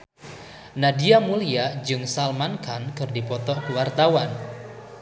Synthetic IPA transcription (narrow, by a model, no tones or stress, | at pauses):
nadiamuliad͡ʒɨŋsalmankankɨrdipɔt̪ɔkəwart̪awan